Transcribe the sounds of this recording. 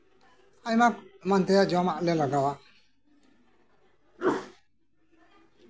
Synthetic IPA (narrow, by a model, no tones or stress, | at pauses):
ajmakmant̪ɛjad͡ʒɔamaʔlɛlaɡawa